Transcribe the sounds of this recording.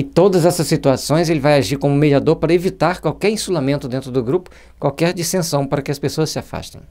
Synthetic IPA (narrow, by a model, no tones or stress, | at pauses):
ɪt̪od̪ɐzɛsɐsːit̪uasõj̃zelɪvajaʒiɾkõmʊmed͡ʒiad̪oɾpaɾɐevit̪aɾkwawkɛɾĩsulamẽnt̪ʊd̪ẽnt̪ɾʊd̪ʊɡɾupʊ̥ | kwawkɛɾd͡ʒist̪ẽsɐ̃w̃paɾɐkɪɐspesoɐsːɪafa̰st̪ḛ̃j̃